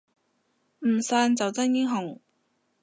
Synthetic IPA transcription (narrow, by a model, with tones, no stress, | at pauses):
m̩˨˩saː˧nt͡sɐ˨wt͡sɐ˥njɪ˥ŋɦʊ˨˩ŋ